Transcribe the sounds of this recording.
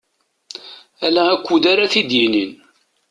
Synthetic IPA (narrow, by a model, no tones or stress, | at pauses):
ælæækʷːud̪aɾaθid̪jinin